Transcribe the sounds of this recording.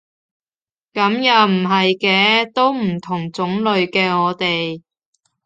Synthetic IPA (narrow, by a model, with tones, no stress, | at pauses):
kɐ˨˥mjɐ˨˩wm̩˨˩ɦɐ˨jkɛː˧t̪o˥wm̩˨˩t̪ʰʊ˨˩ŋt͡sʊ˨˥ŋlɵ˨˧ɥkɛː˧ŋɔː˨˧t̪e˨j